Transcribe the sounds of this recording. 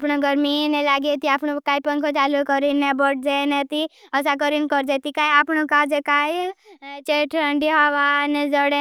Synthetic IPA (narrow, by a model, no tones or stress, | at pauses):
pnoɡəɾminẽlaːɡet̪iaːpnokaːipəŋkʰot͡ʃaːlukəɾinebəʈ̚ʰd͡ʒenẽt̪iəsak̬əɾinkəɾd͡ʒet̪ikaːiaːpnokaːɾd͡ʒekaːit͡ʃeʈʰə̃ɳɖiɦaʋaːnd͡ʒəɽe